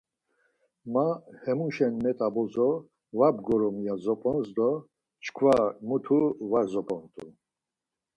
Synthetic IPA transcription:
mahɛmuʃɛnmɛt̪ʼabɔzɔ | vabɡɔɾɔmijazɔpʼɔnsd̪ɔ | t͡ʃʰkʰvamut̪ʰuvaɾzɔpʼɔnt̪ʼu

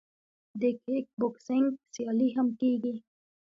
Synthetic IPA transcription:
d̪ekʰek̚bʊksɪŋɡsijɑliɦamkiɡi

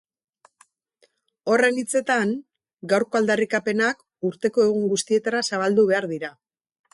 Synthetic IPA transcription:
o̞re̞nit͡se̞t̪aŋ | ɡawɾko̞ald̪arikape̞nak | uɾt̪e̞ko̞e̞ɣ̞uŋɡust̪ie̞t̪aɾasaβ̞ald̪uβe̞aɾðiɾa

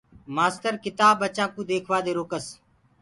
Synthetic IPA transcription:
maːstəɾkɪt̪aːbət͡ʃãːkũːd̪eːkʰʋaːd̪eːɾoːkəs

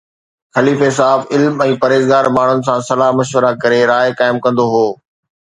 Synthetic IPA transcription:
xɐliːfes̬aːbɪlmɛ̃ːpɐɾeːzɡaːɾmaːɳ̤ʊnɪ̆s̬ãːsɐlaːɦmɐʃwəɾakɐɾeɾaːjkaːɪmkɐ̃nd̪oɦoː

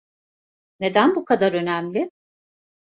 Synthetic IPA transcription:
ne̞d̪ænbukʰad̪aɾø̞næmlʲɪ

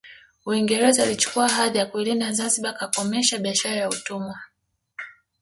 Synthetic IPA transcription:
uiŋɡɛɾɛzalit͡ʃu̥kuaɦaðijakulindazanziɓakakɔmɛʃaɓiaʃaɾajautumwa

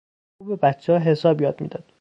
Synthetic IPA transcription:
ubebæt̪t͡ʃʰːeɒːɦe̞sɒːbjɒːd̪mḭd̪ɒd̪̥

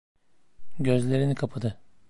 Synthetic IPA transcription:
ɟø̞zlʲe̞ɾinikʰapʰad̪ɯ

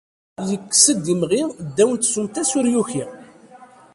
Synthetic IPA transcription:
jəkːsəd̪ːimʁiʁd̪ːæwənt̪sumt̪æsʊɾjuçi

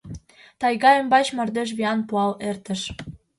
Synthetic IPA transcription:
t̪ɑjɣɑə̆mbɑt͡ɕmə̆rd̪eʃ̬βiɑnpuɑlert̪ə̆ʃ

